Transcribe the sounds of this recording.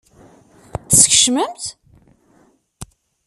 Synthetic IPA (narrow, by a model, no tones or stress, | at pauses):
θə̥sçə̥ʃməmt̪